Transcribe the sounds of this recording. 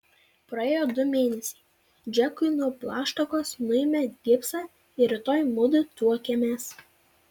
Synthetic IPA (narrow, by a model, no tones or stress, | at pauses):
pɾɐeːjoːd̪ʊmʲeːnʲɛsʲɛ̥ɪ | d͡ʒʲɛkʊɪnuɔplˠɑːʃt̪ɐkoːsnʊɪmʲɛd̪ʲɪpsɑː | ɪɾʲɪt̪oːjmʊd̪ʊt̪uɔkʲɛmʲeːs